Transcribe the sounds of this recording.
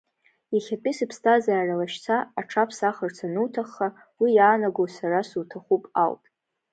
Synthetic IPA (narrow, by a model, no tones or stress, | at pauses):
jaχʲapʼisɨpʰstʰazaːralaʃt͡sʰaːʈ͡ʂʰapʰsaχərt͡sʰanutʰaχːa | wijaːnaɡowsarasutʰaχupʼa̰ltʼ